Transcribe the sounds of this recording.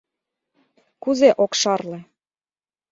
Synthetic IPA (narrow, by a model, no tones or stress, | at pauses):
kuzeʔokʃɑrlɤ̆